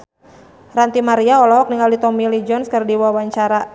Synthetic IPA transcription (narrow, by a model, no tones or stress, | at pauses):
rant̪imaɾiaɔlɔɦɔk̚niŋaldit̪ɔmilid͡ʒɔnskɨrdiwawaɲt͡ʃaɾa